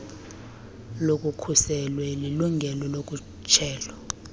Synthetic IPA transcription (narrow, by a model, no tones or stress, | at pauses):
lokʼukʰusɛlwɛliluŋɡʱɛlɔlok̬ʼu | t͡ʃʰɛːlɔ